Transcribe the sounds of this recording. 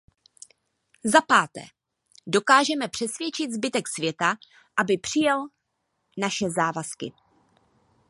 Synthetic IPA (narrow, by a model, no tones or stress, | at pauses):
zapaːt̪ɛ̰ː | do̞kaːʒɛmɛpr̝̥ɛsvjɛt͡ʃɪt̪zbɪt̪ɛksvjɛt̪a | ʔabɪpr̝̥ɪjɛl | naʃɛzaːvaskɪ̰